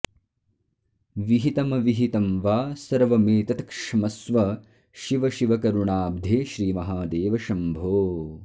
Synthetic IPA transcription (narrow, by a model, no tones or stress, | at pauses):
ʋiɦit̪ɐmɐʋiɦit̪ɐmʋaːsɐɾʋɐmeːt̪ɐt̪ɐkʂɐmɐsʋɐ | ʃiʋɐʃiʋɐkɐɾuɳaːb̚d̪ʱeːʃɾiːmɐɦaːd̪eːʋɐʃɐmbʱoː